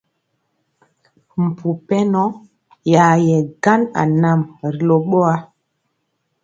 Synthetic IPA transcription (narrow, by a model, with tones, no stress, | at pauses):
m̩˨pu˨pɛ˦nɔ˦ | ja˨jɛ˨ɡa˦na̰˨na˨mɾi˨lo˨ɓo˦a˦